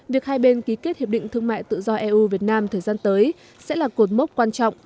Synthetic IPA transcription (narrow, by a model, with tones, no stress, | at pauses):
vi˨˩ək̚haː˧jɓe˧nki˨˦ke˦˥t̚hi˨˩p̚ɗḭ̈˧˨ŋt̪ʰɨ˧əŋma̰ː˧˨jt̪ɨ̰˧˨zɔ˧ʔɛ˧ʔu˧vi˨˩ət̚naː˧mt̪ʰəː˨˩jzaː˧nt̪əː˨˦j | sɛ̰˧˥laː˨˩ko˨˩t̚mə˦˥t̚kwaː˧nt͡ɕɔ̰˧˨wŋ͡m